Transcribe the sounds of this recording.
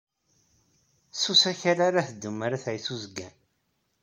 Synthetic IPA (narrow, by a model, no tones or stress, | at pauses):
susæçaɾaɾaθəd̪ːəmːaɾaθæjθuzəɡːæn